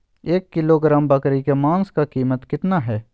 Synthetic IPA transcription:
eːkːɪloɡɾãːmbɐkɾikemãːnskakiːmət̪kɪt̪naɦɛː

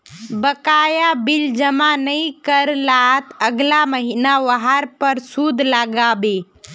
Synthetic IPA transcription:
bəkajabild͡ʒəmanəikəɾlat̪əɡlaməɦinaʋəɦaɾpəɾsud̪ʱlaɡabe

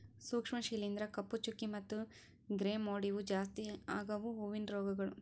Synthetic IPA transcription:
suːkʂmɐʃiːlind̪ɾɐkɐpːut͡ʃukːimɐt̪ːu | ɡɾeːmoːɽiʋud͡ʒaːst̪iaːɡɐʋuɦuʋinɾoːɡɐɡɐɭu

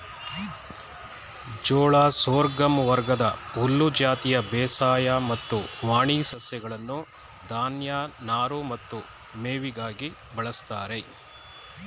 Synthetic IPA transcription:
d͡ʒoːɭaːsoːɾɡɐmʋɐɾɡɐd̪ɐulːud͡ʒaːt̪ijɐbɛːsaːjamɐt̪ːuʋaːɳisɐsjɐɡɐɭɐnːu | d̪aːnjaːnaːɾumɐt̪ːu | meːʋiɡaːɡi | bɐɭɐst̪aːɾe̞

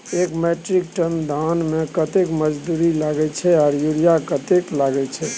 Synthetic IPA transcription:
ekmeʈɾik̚ʈənd̪ʱanmekət̪ekməd͡ʒd̪uɾilaɡɛt͡ʃʰɛɔːɾjuɾijakət̪eklaɡɛt͡ʃʰɛ

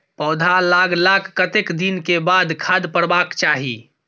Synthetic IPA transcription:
pɔːd̪ʱalaːkʰlaːkʰːət̪ekd̪inkebaːd̪kʰaːd̪pəɽbaːkt͡ʃaːɦiː

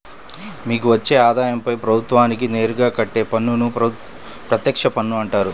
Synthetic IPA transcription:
miːk̬uʋɐt͡ʃːe̞ːaːd̪aːjɐmpɐjpɾɐbʱut̪ʋaːnik̬ine̞ːɾuɡaːkɐʈːe̞ːpɐnːunu | pɾɐt̪jɐkʂɐpɐnːuɐɳʈaːɾu

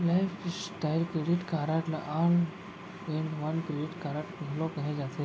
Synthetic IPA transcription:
lajfsʈajlkɾeɖiʈkaɾaʈlaʔan | ẽɳɖʋənkɾeɖiʈkaɾaʈmelɔkəɦed͡zat̪ʰe

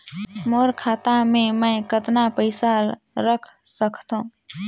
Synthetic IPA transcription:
moɾkʰat̪ameməɪkət̪napəɪsa | ɾəkʰsəkʰt̪əũ

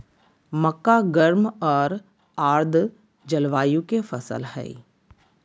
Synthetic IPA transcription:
məkːaɡəɾmɔːɾ | aːɾd̪ʱ | d͡ʒəlʋaːjũkefʰəsə̰lhɛ̰ː

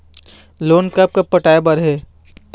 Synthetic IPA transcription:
loːnkɐp̚kɐpːɐʈaːjebɐɾɦɛː

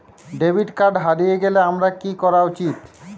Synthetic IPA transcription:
ɖebʱiɖkaɾɖɦaɾijeɡeleamɾakikɔɾaut͡ɕit̪

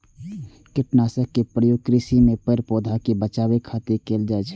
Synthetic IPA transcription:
kɪʈnaːsəkːepɾəjoːɡ̚kɾisimẽpəɾpoːd̪ʱakebət͡ʃaːwekʰat̪ekeːld͡ʒaɛt͡ʃʰ

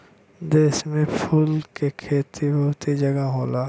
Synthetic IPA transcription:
d̪eːsmẽpʰuːlkekʰeːt̪ʰibɐɦʊt̪id͡ʒɐɡaɦoːlaː

